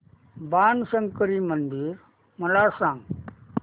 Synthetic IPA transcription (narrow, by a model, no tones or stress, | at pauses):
baːnsəŋkəɾiːmənd̪iɾ | məlasãŋɡ